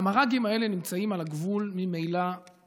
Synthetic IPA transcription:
amaʁaɡimae̞le̞nimt͡saimalaɡvulmimejla

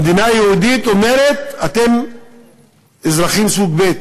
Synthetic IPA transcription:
d̪inajehud̪it̪o̞me̞ɾet̪at̪e̞m | ezɾaχimsuɡbet̪̚

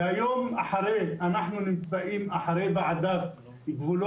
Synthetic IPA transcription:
ajo̞maħaɾeanaħnunimt͡saʔimaħaʁebeʕad̪av | iɡvulo

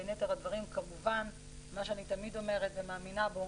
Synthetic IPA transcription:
net̪eʁhadvaʁimkamuvan | maʃeanit̪amid̪o̞me̞ʁetvemaːminabeo

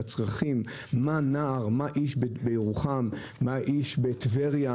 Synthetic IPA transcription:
at͡sʁaχimː | anaːʁmaʔiʃbbejeʁuχamː | aʔiʃbet̪veʁja

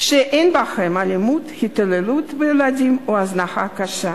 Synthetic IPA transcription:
ʃeʔenbaχemalimut̪hit̪alelut̪veelad̪imoaznaχakaʃa

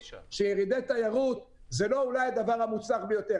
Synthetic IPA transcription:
ʃejeʁid̪et̪ajaʁut̪ | zelo̞ulajad̪avaʁamut͡saχbejo̞t̪e

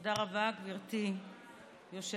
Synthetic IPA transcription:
daʁavakviʁt̪i | joʃe

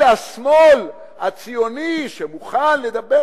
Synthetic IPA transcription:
asmol | at͡sijoniʃemuχanle̞d̪abe

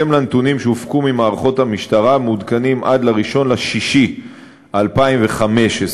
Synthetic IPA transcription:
emlanet̪unimʃeufkumimaːʁaχo̞tamiʃtaʁamudkanimʔad̪laʁiʃo̞nlaʃiʃi | alpaimveχame̞ʃes

